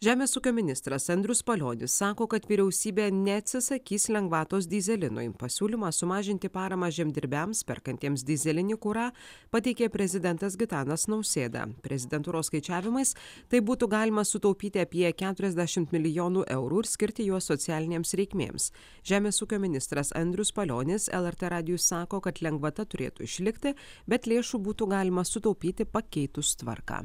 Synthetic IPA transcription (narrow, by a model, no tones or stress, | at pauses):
ʒʲæːmʲeːsuːkʲoːmʲɪnʲɪst̪ɾɐsɐnʲd̪ʲɾʲʊspɐlʲo̰ːnʲɪsːɑːkoːkɐt̪ʋʲiːɾʲɛʊsʲiːbʲeːnʲɛɐt̪ʲsʲɪsɐkʲiːslʲɛŋɡʋɑːt̪oːs̬d̪ʲizʲɛlʲɪnʊ̰ɪpɐsʲuːlʲɪmɑːsʊmɑːʒʲɪnʲt̪ʲɪpɑːɾɐmɑːʒʲɛmʲd̪ʲɪɾʲbʲæmspʲɛ̰ɾkɐnt̪ʲiɛmsd̪ʲɪzʲɛlʲɪnʲɪkʊɾɑː | pɐt̪ʲɛɪkʲeːpʲɾʲɛzʲɪd̪ʲɛnt̪ɐsɡʲɪt̪ɑːnɐsnɐʊsʲeːd̪ɑ̰pʲɾʲɛzʲɪd̪ʲɛnt̪uːɾoːskɐɪt͡ʃʲæːʋʲɪmɐɪst̪ɐɪbuːt̪ʊɡɑːlʲɪmɐsʊt̪ɐʊpʲiːt̪ʲɪɐpʲiɛkʲæːt̪ʊɾʲɛzʲd̪ʲæʃʲɪmt̪mʲɪlʲɪjoːnuːʔɛʊɾuːɪɾsʲkʲɪɾʲt̪ʲɪjuɔsɔt̪sʲɪæːlʲɪnʲeːmsɾʲɛɪkʲmʲḛːms | ʒʲæːmʲeːsuːkʲoːmʲɪnʲɪst̪ɾɐsɐ̰nʲd̪ʲɾʲʊspɐlʲoːnʲɪsɛ̰lˠɛɾt̪eɾɑːd̪ʲɪjʊsɑːkoːkɐt̪lʲɛŋɡʋɐt̪ɐt̪ʊɾʲḛːt̪uɪʃʲlʲɪkʲt̪ʲɪbʲɛt̪lʲeːʃuːbuːt̪ʊɡɑːlʲɪmɐsʊt̪ɒʊpʲiːt̪ʲɪpɐkʲɛɪt̪ʊst̪ʋɐ̰ɾkɑ̰ː